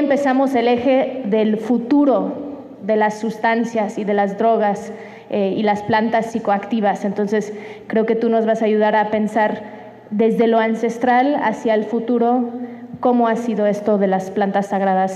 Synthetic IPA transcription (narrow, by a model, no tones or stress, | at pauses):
empe̞samo̞se̞le̞xe̞ðe̞lfut̪uɾo̞ | ðe̞lasːust̪ansjasiðe̞lazðɾo̞ɣ̞as | eilasplant̪asːiko̞akt̪iβase̞nt̪o̞nse̞s | kɾe̞o̞ke̞t̪uno̞zβasaːʝuð̞aɾape̞nsaɾ | ðe̞zðe̞loanse̞st̪ɾala̰sjaelfut̪uɾo̞ko̞mo̞asiðo̞e̞st̪o̞ðe̞lasplant̪asːaɣɾaðas